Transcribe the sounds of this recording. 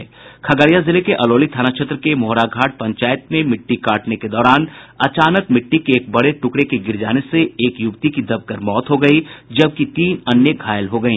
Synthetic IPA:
kʰɐɡəɾijazɪlekeʔɐloːlit̪ʰaːnakʃʰet̪ɾəkemoːɾaɡʱaːʈ̚pɐ̃ɲt͡ʃaːjət̪mẽmɪʈːikaːʈneked̪ɔːɾaːnɐt͡ʃaːnəkmɪʈːikeːk̚bɐɽeʈʊkɽekiɡɪɾd͡ʒaːneseeːkjʊɡt̪ikid̪ɐb̚kəɾmɔːt̪ɦoɡɐid͡ʒɐb̚kit̪iːnɐnjəɡʱaːjəlɦoɡɐĩː

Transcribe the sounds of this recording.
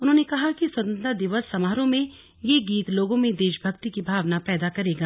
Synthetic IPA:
ʊnɦõːnekɐɦakiswɐt̪ə̃nt̪ad̪ɪʋəsːɐmaːɾõmẽ | jeɡiːt̪loːɡõmẽd̪eːʃbʱɐkt̪ikibʱaːʋnapɛːd̪akɐɾeːɡaː

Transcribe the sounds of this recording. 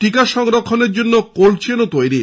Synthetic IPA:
ʈikaʃɔŋɾokʰːoneɾd͡ʑonːokoɾt͡ɕʰenot̪ojɾi

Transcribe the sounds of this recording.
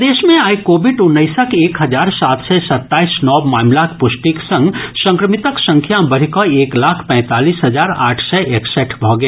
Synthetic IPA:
d̪eːʃmẽaːikoːbɪɖʊnːəɪsəkeːkɦəd͡ʒaːɾsaːt̪ʰsɛsɐt̪ːaːisnɔːbmaːmlakpʊsʈiksə̃ŋɡsə̃ŋkɾəmit̪əksə̃ŋkʰjabəɾ̤ikɔeːklaːkʰpɛ̃ːt̪aːliːsɦəd͡ʒaːɾa̰ːʈʰsɛʔeːksɛːʈʰbʱɔɡeː

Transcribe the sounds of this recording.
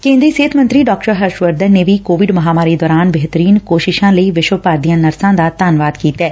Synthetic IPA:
kẽːnd̪ɾiːseːt̪ʰmə̃nt̪ɾiːɖɔːkʈəɾɦəɾʃʋəɾd̪ənnːeːʋiːkoːʋɪɖməɦaːmaːɾiːd̪ɔːɾaːnbeɦt̪əɾiːnkoːʃɪʃãːləiːʋɪʃwəpaːɾd̪ijãːnəɾsãːd̪aːt̪aːnʋaːd̪kiːt̪ɛː

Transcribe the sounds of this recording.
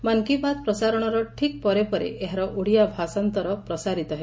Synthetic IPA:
maŋkipad̪̚pɾɔsaɾɔɽ̃ɔɾɔʈʰik̚pɔɾepɔɾḛʔeɦaɾɔʔuɽijabʱasant̪ɔɾɔpɾɔsaɾit̪ɔɦe

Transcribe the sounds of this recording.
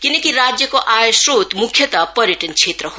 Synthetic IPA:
kinekiɾad͡ʒjəkoʔajsɾot̪mukʰjət̪apəɾjəʈənt͡ʃʰet̪ɾəɦo

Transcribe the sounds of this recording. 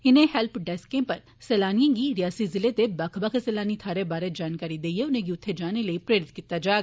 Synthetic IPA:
ɪnẽhɛlpɖɛːskẽpɐɾ | seːlaːnijãkiɾijaːsizɪlet̪ebaːkʰbakeseːlaːnit̪ʰaːɾebaːɾed͡ʒaːnkaːɾid̪eːieʊnẽk̬iʊt̪ʰːed͡ʒaːneləipɾeːɾɪt̪̚kiːt̪ad͡ʒaːɡ

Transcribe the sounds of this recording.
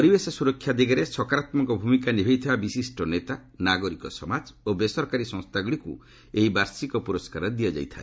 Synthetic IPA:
pɔɾibesɔsuɾɔkʰːjad̪iɡaɾesɔkaɾat̪mɔŋkɔbʱumikanibʱeit̪ʰibabisisʈɔnet̪anaɡɔɾikɔsɔmad͡ʒobesɔɾkaɾisɔ̃ŋst̪aɡɔɽikṵ | eɦibaɾsikɔpuɾɔskaɾɔd̪ijad͡ʒa̰jt̪ʰa̰e

